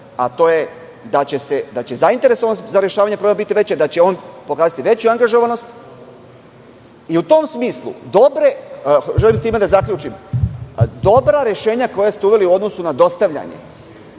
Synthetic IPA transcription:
a̰t̪o̞ːje̞ | d̪at͡ɕe̞se̞d̪at͡ɕe̞zaint̪e̞ɾesoʋanozaɾje̞ʃaːʋaɲepɾoemabit̪iʋe̞t͡ɕed̪at͡ɕe̞o̞ːnpo̞kaːzat̪iʋe̞t͡ɕuaŋɡaʒo̞ʋano̞st̪ | iut̪o̞msmiːslˠṵd̪o̞bɾe̞ʒelimt̪iːmed̪azakʎʲuːt͡ʃim | d̪o̞bɾaɾjeʃe̞ːɲako̞jast̪euʋe̞liuo̞d̪no̞sunad̪o̞st̪aʋʎa̰ɲḛ

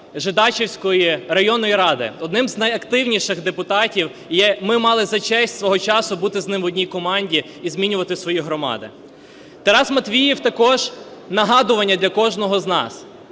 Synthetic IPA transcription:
ʒɪd̪ɑt͡ʃewsʲkɔjirɐjɔnɔjiɾɑd̪ɪ̰ɔd̪nɪmznɐjɐkt̪ɪwnʲiʃɪxd̪epʊt̪ɑtʲiw | jɛmɪmɑlˠɪzɐt͡ʃɛsʲtʲsʋɔɦɔt͡ʃɑsʊbut̪ɪznɪmʋɔdʲnʲikɔmɑnʲdʲi | izmʲinʲʊʋɐt̪ɪsʋɔjiɦɾɔmɑ̰d̪ɪ̰ | t̪ɐɾɑzmɐt̪ʋʲijiwt̪ɐkɔʒnɐɦɑd̪ʊʋɐnʲːɐd̪ʲlʲɐkɔʒnɔɦɔznɑ̰s

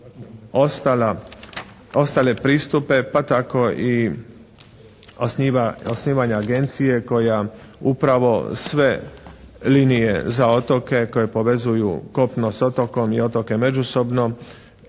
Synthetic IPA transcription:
ost̪ala | o̞st̪ale̞pɾiːst̪upe̞pat̪ako̞ʔi | osniaosniːʋaɲaːɡe̞nt̪sije̞ko̞ja | upɾaʋo̞̰sʋe̞ | linije̞̰zao̞t̪o̞ke̞ko̞je̞po̞ʋe̞zujṵko̞pnoso̞t̪oko̞mio̞t̪o̞ke̞me̞d͡ʒuso̞bno̞

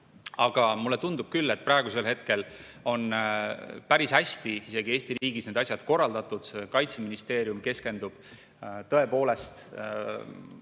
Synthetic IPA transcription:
ɑɡ̥ɑmulːe̞t̪und̪ub̥̚kylːe̞t̪̚pɾɑeɡ̥use̞lɦe̞t̪̚ke̞l | o̞n | pæɾishæsʲt̪iise̞ɡ̥ieːst̪iɾiːɡ̥isne̞d̪ɑsʲjɑd̪̥ko̞rːɑld̪ɑt̪ːˑud̪̥se̞kɑjt̪seminist̪e̞ːɾijumke̞ske̞nd̪ub̥ | t̪ɤe̞po̞ːle̞st̪

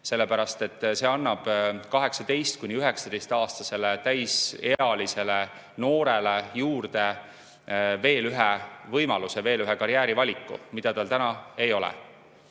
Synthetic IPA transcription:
se̞lːepæɾɑst̪e̞t̪ːˑse̞ːɑnːɑb̥kɑɦe̞ksɑd̪e̞jst̪̚kunʲiyɦe̞ksɑd̪e̞jst̪ɑːst̪ɑse̞let̪æjse̞ɑlise̞le | no̞ːɾe̞lejuːrd̪̥e̞ | ve̞ːlyɦevɤjmɑluseve̞ːlyɦekɑɾjæːɾivɑlʲikːˑṵmid̪̥ɑt̪ɑlt̪ænɑe̞jo̞lɛ̰

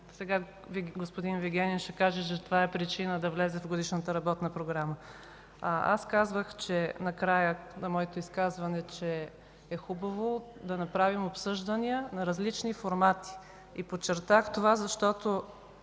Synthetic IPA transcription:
sɛɡa | vɡospod̪inviɡʲɛnʲinʃɛkaʒɛt͡ʃɛt̪ovaɛpɾit͡ʃinəd̪ɐvlɛzɛvɡod̪iʃnət̪əɾɐbɔt̪nəpɾoɡɾamə | a̰skazvəxt͡ʃɛnɐkɾajənɐmɔɛt̪oiskazvɐnɛt͡ʃɛː | xubɐvod̪ɐnɐpɾavimopsɤʒd̪əniənɐɾɐzlit͡ʃnifoɾmat̪i̥ | ipot͡ʃːɛɾt̪axt̪ovazɐʃt̪ɔt̪o

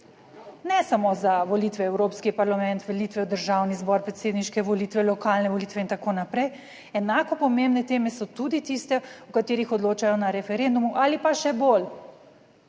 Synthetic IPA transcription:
nɛsamozaʋɔlit̪ʋɛɛwɾoːpskipaɾlamɛnt̪ʋɛlit̪ʋɛd̪əɾʒawnizbɔɾpɾɛt̪seːd̪niʃkɛʋɔlit̪ʋɛlɔkaːlnɛʋɔlit̪ʋɛint̪akoːnapɾɛj | ɛnakɔpɔmembnɛt̪eːmɛsɔt̪ud̪it̪ist̪ɛukat̪eːɾixɔd̪loːt͡ʃajɔnaɾɛfɛɾend̪umuʔalipaʃɛbol

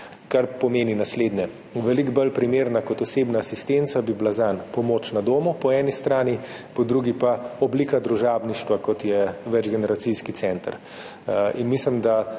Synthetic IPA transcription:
kaɾpɔmeːninasleːd̪nɛ | ʋɛliɡbəlpɾimeːɾnakɔt̪ɔseːbnaːsist̪ent̪sabiblazanpɔmoːt͡ʃnad̪oːmupɔɛːnist̪ɾaːnipɔd̪ɾuɡipaɔbliːkad̪ɾuʒaːbniʃt̪ʋakɔt̪jɛʋɛd͡ʒɡɛnɛɾat̪siskit̪sɛnt̪əɾ | ḭnmislimd̪a

